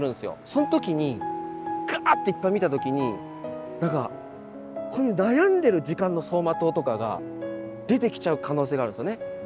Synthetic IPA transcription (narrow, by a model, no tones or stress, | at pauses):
ɾɯ̟̃nsɨjo̞̰so̞not̪okʲiɲ̟i | ɡ̥ɯat̪ːo̞ipːaimʲit̪at̪o̞kʲiɲ̟i | naka̰ | ko̞nonajãnd̪e̞ɾɯ̟d͡ʑikãnːo̞so̞ːmat̪o̞ːt̪o̞kaɡa̰d̪e̞t̪e̞kʲi̥t͡ɕaɯ̟kʰano̞ːs̬eɡaːɾɯ̃nsjone